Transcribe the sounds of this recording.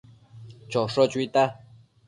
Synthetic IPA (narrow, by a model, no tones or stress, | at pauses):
t͡ʃoʂot͡ʃwit̪a